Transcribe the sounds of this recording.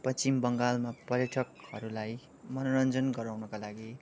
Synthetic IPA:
pʌt͡simbʌŋɡalmapʌrjʌʈʰʌkhʌɾulaj | mʌnoɾʌnd͡zʌnɡʌɾawnʌkalaɡi

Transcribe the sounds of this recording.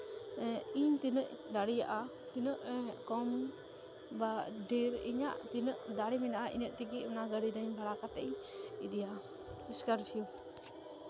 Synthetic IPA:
iɲt̪inəʔd̪aɽijaʔa | t̪inəʔkɔm | baɖiɾḭɲa̰ʔt̪inəʔd̪aɽiminaʔaʔḭɲəʔt̪iɡiʔmanaɡəɽid̪ɔɲbʱaɽakat̪ɛ̰ʔjid̪ija | iskaɾsiu

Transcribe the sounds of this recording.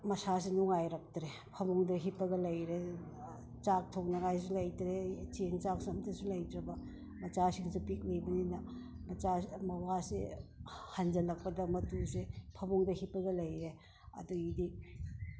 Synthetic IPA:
mɐsasinuŋajɾɐk̚tɾe | pʰɐmuŋdɐɦipːɐɡɐlɐjɾe | t͡ʃak̚tʰoŋnɐŋajs̬ilɐjtɾet͡ʃeŋt͡ʃaŋsɐmtɐsulɐjdɾɐbɐ | mɐt͡ʃasiŋsipik̚lejbɐninɐ | mɐt͡ʃamɐwasḛ | hand͡ʒɐlɐk̚pɐdɐmɐtusepʰɐmuŋdɐhipːɐɡɐlɐjɾe | ɐ̰duidi

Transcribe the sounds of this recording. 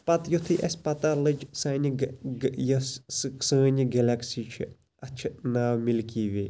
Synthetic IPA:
pɐt̪jut̪ʰɨʔɐsʲpɐt̪alɨd͡ʒsaːnʲiɡjɐssɨksə̃ːnʲiɡɛlʲaksiːt͡ʃʰḭ | ɐt͡ʃʰnaːwmilkiːʋe

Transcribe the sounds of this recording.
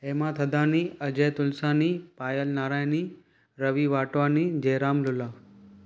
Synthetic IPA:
emãt̪ʰəd̪aːniəd͡ʒet̪ʊlsanipaːjəlnaːɾaːjni | ɾəʋiʋaːʈʋanid͡ʒeːɾaːmlʊlaː

